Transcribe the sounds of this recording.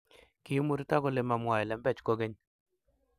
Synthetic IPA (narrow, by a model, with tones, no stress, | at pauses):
kɪ˨jmo˦ɾta˦kɔ˨le˨ma˨mwa˨jɛ˨lɛ˨mbɛ˦˨t͡ʃko˦ɡe˦ɲ